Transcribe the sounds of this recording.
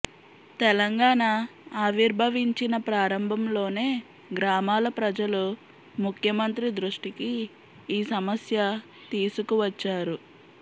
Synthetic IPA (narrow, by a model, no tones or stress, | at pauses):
t̪ɛlɐŋɡaːɳaːʋiɾbʱɐʋiɲt͡ʃinɐpɾaːɾɐmbʱɐmlo̞ːne̞ː | ɡɾaːmaːlɐpɾɐd͡ʒɐlu | mukʰjɐmɐnt̪ɾid̪ɾuʂʈikiː | sɐmɐsjɐ | t̪iːsukuʋɐt͡ʃːaːɾu